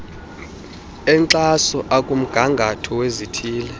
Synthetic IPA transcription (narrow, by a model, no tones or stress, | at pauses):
ɛnǀasɔʔakʼum̩ɡ̥ʱaŋɡʱatʰɔwezitʰiːlɛ